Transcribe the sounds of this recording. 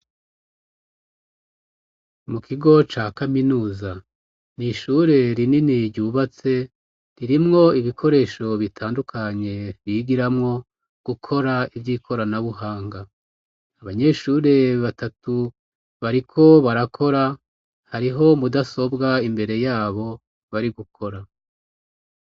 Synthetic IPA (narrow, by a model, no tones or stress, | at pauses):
mukʰiɡo̞t͡ʃakaminuːza | niʃuːɾe̞ɾininiɾɟuːβat͡se̞ | ɾiɾimŋo̞iβikʰo̞ɾe̞ːʃo̞βitʰaːndukʰaɲe̞βiɡiɾamŋo̞ | ɡ̥ukʰo̞ɾaivjiːkʰo̞ɾanaβuɦaːŋɡa | aβaɲe̞ʃuːɾe̞βatatu | βaɾikʰo̞βaɾakʰo̞ɾa | haɾiɦo̞mudaso̞bɡaimbe̞ɾe̞jaːβo̞ | βaɾiɡukʰo̞ɾa